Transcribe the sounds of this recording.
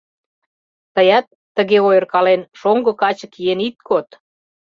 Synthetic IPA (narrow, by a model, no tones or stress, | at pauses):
t̪əjɑt̪ːəɣeojərkɑlenʃoŋɡɤ̆kɑt͡ɕə̆kienit̪̚kʰot̪